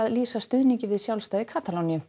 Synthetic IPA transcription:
aðliːsast̪ʏðniɲcɪvɪðsjawlst̪ajðɪkʰaːt̪alownijʏ

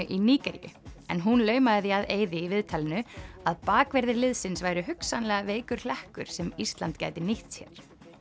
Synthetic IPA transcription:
ʏʔiniːcɛɾijʏ̰ɛnɦunlœːɥmaðɪθjiaðeːjðɪivɪðt̪ʰalɪnʏaðpaːkvɛɾðɪɾlɪðsɪnsvajɾʏɦʏksanlɛɣaveːjkʏɾ̥l̥ɛhkʏɾ̥sɛmist̪la̰nt̪ca̰ːjt̪ɪniht̪sjɛ̰ɾ̥

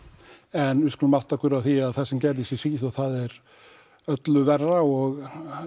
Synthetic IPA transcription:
ɛnʏskʏnmawt̪ahkʏɾawθiaðθɛsɛmcɛɾðisisviθɔɣθaðɛɾ | œt̪lʏvɛrːaɔɣ

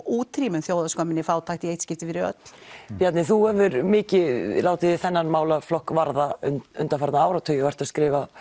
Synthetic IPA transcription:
uːt̪ʰɾiːmʏnθjoːwðaskœmɪnɪfaːwt̪ʰaːxt̪ieːjt̪scɪft̪ɪfɪɾɪɾœ̰t̪l̥pjat̪nɪθuɛvʏɾmɪːcɪlaːwt̪ɪɪθɛnːanmaːwlaflɔhkvaɾðaʏnʏnt̪afaɾt̪naaːwɾat̪ʰœjɔvɛɾ̥t̪askɾɪːva

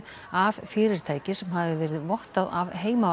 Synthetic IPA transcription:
av̥fɪːɾɪɾ̥t̪ʰaːjcɪsɛmhavɪvɛːɾɪðvɔht̪aðavɦeːjma

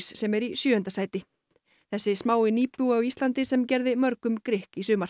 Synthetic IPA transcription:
ssɛmɛɾisjʏːhʏnt̪asaːjt̪ɪ | θɛsːɪsmaːwɪniːpʏaɣist̪lant̪ɪsɛmcɛɾðɪmœɾkʏmkɾɪhkisʏːma

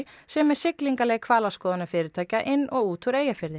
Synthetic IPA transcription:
sɛmɛɾ̥sɪkliŋkalɛːɣkʰvaːlaskɔːðanʏfɪːɾɪɾt̪ʰaːjcaʔɪnːʔɔɣuːt̪ʰuɾeːjafɪɾðɪ

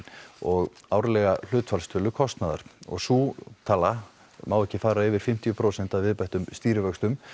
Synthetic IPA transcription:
ɔɣaːwɾlɛɣal̥ʏːt̪falst̪ʰʏːlʏkʰɔst̪naða̰ɾ̥ɔ̰ɣsuːt̪ʰaːla | maːwɛhcːɪfaːɾaɪvɪɾ̥fɪm̥t̪iʏpʰɾoːwsɛn̥t̪aðvɪðpajht̪ʏmst̪iːɾɪvœkst̪ʏm

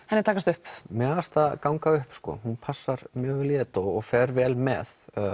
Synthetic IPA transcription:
ɛnɪɾt̪ʰaːkast̪ʏhpmɛast̪akawŋkaʏhpskɔ̰hunpʰasːaɾmjœːɪljɛːt̪oɔɣfɛɾvɛːlmɛ̰θ

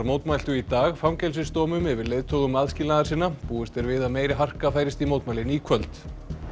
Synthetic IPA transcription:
ɾmowt̪majl̥t̪ʏit̪aːɣfɾamcɛjlsɪst̪ɔːmʏmɛvɪɾlejðt̪ʰowɣðʏmaðscɪlaːðaɾsiːnːapuːɪst̪ɛɾvɪðameːjɾɪɦar̥kafaːjɾɪst̪imoːwt̪majlɪniːkʰvœlt̪

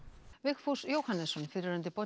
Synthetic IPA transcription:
vɪxfusjowhanːɛsːɔnfɪɾɾʏnt̪ɪpɔ

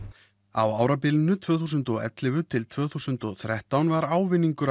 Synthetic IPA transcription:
a̰waːwɾapɪːlɪnʏt̪ʰv̥œːθus̬ʏnt̪ɔɣɛ̰t̪lɪvʏt̪ʰɪlt̪ʰvœːθusʏnt̪ɔɣθɾɛht̪awnvaɾaːwvɪnːiŋkʏɾ

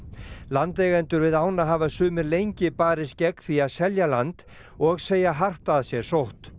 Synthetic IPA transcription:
lant̪ɛːɣɛnt̪ʏɾvɪðaːwnaɦaːvasʏːmɪɾlejɲcɪpaːɾɪscɛkθiaðsɛljalant̪ | ɔɣseːjaɦar̥t̪aðsjɛɾ̥sowht̪

